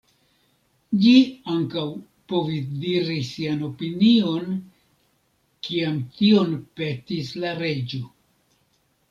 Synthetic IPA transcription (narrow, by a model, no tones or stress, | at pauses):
d͡ʒiaŋkaw | po̞visdiɾisiano̞pinio̞n | kiamtio̞npe̞tislaɾe̞d͡ʒo